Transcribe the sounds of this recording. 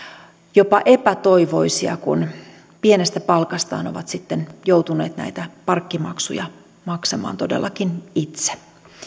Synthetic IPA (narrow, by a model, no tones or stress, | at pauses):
jopɑʔepæt̪oiʋo̞isiɑ̰kṵn | pienest̪æpɑlkɑst̪ɑ̰ːno̞̰ʋɑt̪sit̪ːenjowt̪uneːt̪næ̰it̪æpɑrkːimɑ̰ksṵjɑ̰ | mɑksɑmɑ̰ːnt̪odelːɑkinit̪se̥